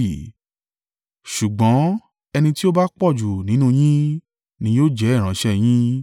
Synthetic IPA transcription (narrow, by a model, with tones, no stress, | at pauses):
ʃu˨ɡ͡bɔ̃˨˦ | ɛ˧nĩ˧ti˦o˦ba˦k͡pɔ˦˨d͡ʒu˨nĩ˨˦nũ˦˧j̃ĩ˦ | nĩ˧˦joː˦d͡ʒɛ˨˦˨ɾ̃ã˨˦ʃɛ˦j̃ĩ˦